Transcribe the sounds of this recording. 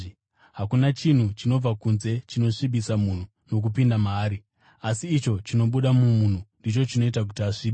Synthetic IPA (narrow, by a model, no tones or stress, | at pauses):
ɦakunat͡ʃin̤ut͡ʃino̞b͡vakunze̞t͡ʃino̞ʂiɓisamun̤u | no̞k̬upindamːɾi | asiːt͡ʃo̞t͡ʃino̞ɓuɗamumun̤undit͡ʃo̞t͡ʃino̞itak̬utiaʂiːɓe